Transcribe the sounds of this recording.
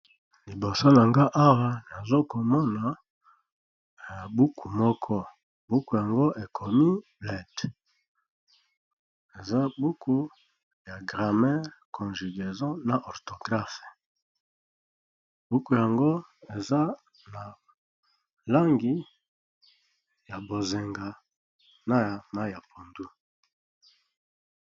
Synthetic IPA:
li˨bo˨so˦na˨ŋɡa˦ʔa˦wa˦na˨zo˦ko˨mɔ˦na˨ | a˨bu˦kʰu˨mɔ˦kʰɔ˦ | bu˦ku˨ja˨ŋɡo˦ʔe˨kʰo˨mi˦blɛ˨t | e˨za˦bu˦kʰu˦ | ja˨ɡʁa˨mɛ˦ʁkʰɔ̃˨nʒi˨ɡe˨zɔ̃˦na˨ʔo˨ʁto˨ɡʁa˦fe˨ | bu˦ku˨ja˨ŋɡo˦e˨za˦ | na˨ | la˦ŋɡi˦ | ja˨bo˨ze˨ŋɡa˨ | na˦a˨na˦ja˨pʰo˨ndu˦

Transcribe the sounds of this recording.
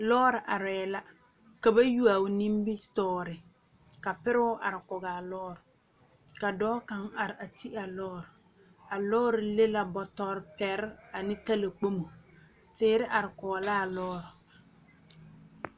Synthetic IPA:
lɔː˦ɾɪ˨ʔa˨ɾɛ˨ɛ˨la˦ | ka˨ba˦ju˦a˨ʊ˨ni˦mbɪ˦tɔː˦ɾɪ˨ | ka˨pɪ˦ɾɪ˦wʊ˦ʔa˨ɾɪ˨kʊ˨ɡaː˨lɔː˦ɾʊ˨ | ka˨dɔː˦ka˨ŋa˨ɾɪ˨a˨ti˦a˨lɔː˦ɾɪ˨ | a˨lɔː˦ɾɪ˨le˦la˨bɔ˨tɔː˦ɾpɛ˨ɾa˨nɪ˦ta˦la˨k͡po˦mo˨ | tɪː˦ɾɪ˦ʔa˨ɾɪ˨kʊ˨ɡa˨la˦a˨lɔː˦ɾʊ˨

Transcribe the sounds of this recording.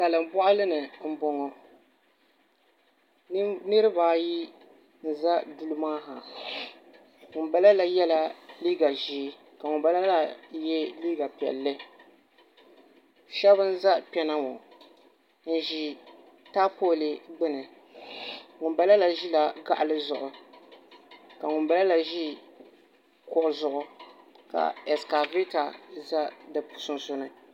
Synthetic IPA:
ka˨lɨ˨m˨bɔ˦ʔʊ˦lɨ˦nɨ˨m̩˦bɔ˨ŋɔ˨˦ | nɨ˦ɾɨ˦baː˨˦˨ji˦ | n̩˨za˦du˦lɨ˦maː˦ɦa˨ | ŋʊ˨ba˦la˦la˨jɛ˦la˦liː˦ɡa˨ʒi˨˦ | ka˨ŋʊ˨mba˦la˦la˦jɛ˦liː˦ɡa˨pɛ̰˨lːɨ˦ | ʃɛ˦bɨ˦n˦za˦pɛ˦na˦ŋɔ˨ | n̩˨ʒi˦ | ta˦poː˦˨li˨ɡ͡bɨ˦nɨ˨ | ŋʊ˨nba˦la˦la˨ʒi˦la˨ɡa̰˦ʔa˨lɨ˦zʊ˨ʔʊ˨ | ka˨ŋʊ˨nba˦la˦la˨ʒi˦ | kɔ˨ʔʊ˨zʊ˨ʔʊ˨ | ka̰˨ɛ˨ska˨vi˦ta˨za˦dɨ˨pu̥˨sʊ˦nso˦nɨ˨

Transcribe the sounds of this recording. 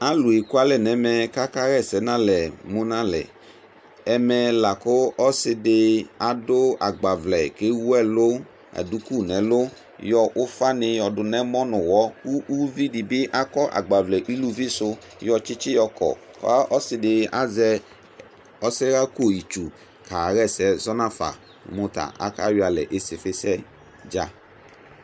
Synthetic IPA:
a˦lʊ˨i˨ku˦a˦lɛ˨nɛ˨˦mɛ˨ka˦ka˦ɣɛ˦˨sɛ˨˦nã˦lɛ˨mʊ˦nã˦lɛ̰˨ | ɛ˨mɛ˧la˨kʊ˦ɔ˦sɪ˧dɪ˧a˨dʊ˦a˨ɡ͡ba˨vlɛ˨ke˦wu˦ɛ˦lʊ˦ | a̰˨du˦ku˦˨nɛ˨˦lʊ˦ | jɔ˧ʔʊ˦fa˦nɪ˧jɔ˨dʊ˨nɛ˦mɔ˦nʊ˨wɔ˨˦u˦ʔu˦vi˦di˨bɪ˦ʔa˦kɔ˦ʔa̰˨ɡ͡ba˨vlɛ˨ʔi˦lu˦vi˦sʊ˧ | jɔ˧t͡ʃɪ˦t͡ʃɪ˦jɔ˧kɔ̰˨ | kɔ̰˨a˦ʔɔ˦sɪ˨dɪ˨a˦zɛ˧ | ɔ˦sɪ˦ɣa˦ko˦˨ji˨t͡ʃu˨ | ka˨ɣɛ˦˨sɛ˦zɔ˦na˦fa̰˨ | mʊ˨˦ta̰˨ʔa̰˦ka̰˦jʊ˦a˨lɛ̰˨ʔe˦sɪ˨fɪ˦sɛ˦ | d͡ʒa˦

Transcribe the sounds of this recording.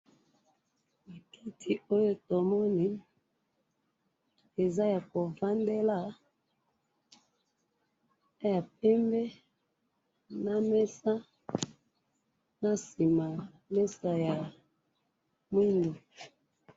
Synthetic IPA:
i˨ki˦tʰi˨o˦jo˦to˨mɔ˦ni˨ | e˨za˦ja˨ko˨va˦nde˦la˦ | ja˨p̚ɛ˦mbɛ˦ | na˦mɛ˦sa˦ | na˦si˨ma˨ | mɛ˦sa˨ja˨ | mwi˦nɡi˨

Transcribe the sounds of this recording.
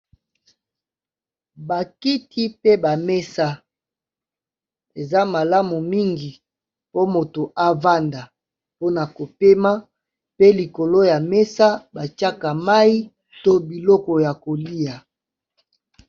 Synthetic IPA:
ba˨ki˦tʰi˦pe˦ba˨me˦sa˦ | e˨za˦ma˨la˦mu˨mi˦ŋɡi˨ | po˦mo˨to˨ʔa˦va˦nda˨ | po˦na˨ko˨pe˦ma˦ | pe˦li˨ko˨lo˦ja˨me˦sa˦ba˨t͡ʃa˦ka˨ma˦i˦ | to˦bi˨lɔ˦kɔ˨ja˨ko˨li˦a˨

